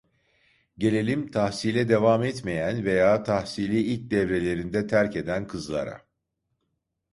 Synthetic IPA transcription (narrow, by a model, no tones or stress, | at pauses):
ɟe̞lʲe̞lʲimt̪ʰahsilʲɛd̪e̞vamɛt̪mejænve̞jaːt̪ʰahsilʲiːilʲc̚d̪ɛvɾe̞lʲe̞ɾind̪ɛt̪ʰæɾce̞d̪ænkʰɯzlˠa̰ɾa̰